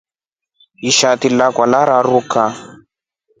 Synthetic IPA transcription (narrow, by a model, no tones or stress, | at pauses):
iʃatilakwalaɾaɾuka